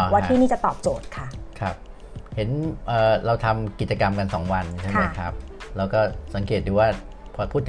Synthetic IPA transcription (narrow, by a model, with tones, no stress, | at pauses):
waː˧t̪ʰiː˥˩niː˥˩t͡ɕa˨˩t̪ɔː˨˩p̚t͡ɕoː˨˩t̪̚kʰa˥˩kʰɾa˦˥p̚ | he˩˦nʔəː˨˩ɾa˧wt̪ʰa˧mki˨˩t̪̚t͡ɕa˧ka˧mka˧nsɔː˩˦ŋwa˧nt͡ɕʰa˥˩jma˦jkʰɾa˦˥p̚lɛː˧wkɔː˥˩sa˩˦ŋkeː˨˩t̪̚duː˧waː˥˩ | pʰɔː˧pʰuː˥˩t̪ːʰ